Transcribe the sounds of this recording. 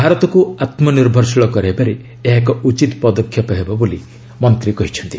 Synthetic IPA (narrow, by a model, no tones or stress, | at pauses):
bʱaɾɔt̪ɔkuat̪mɔniɾbʱɔɾsɔɭɔkɔɾebaɾe | eɦakɔut͡ʃit̪ɔpɔd̪ɔkʰːjɔpɔɦebɔboli | mɔnt̪ɾikɔɦit͡ʃʰɔnt̪i